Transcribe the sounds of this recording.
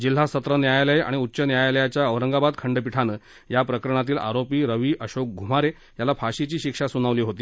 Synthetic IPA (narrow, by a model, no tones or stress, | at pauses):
d͡ʑil̤asət̪ɾənjajləja̰ɽ̃iutːɕənjajaləjat͡ɕjaəʋɾəŋɡabad̪kʰəɳɖpiʈʰanəː | japɾəkəɾəɳ̃at̪iːla̰ɾopiːɾəʋiːʔəɕok̚ɡʱum̤aɾe | jalapʰaɕit͡ɕiːɕikʂasuñaʋliːɦot̪iː